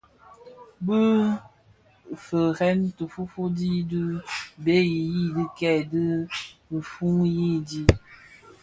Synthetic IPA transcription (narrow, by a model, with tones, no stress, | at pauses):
bə˦ | fə˨hɛ˦ntə˨fu˦fu˦di˦dɨ˦be˦ji˨ji˦di˦kɛ˦˨dɨ˦bə˨fu˦ŋji˦di˦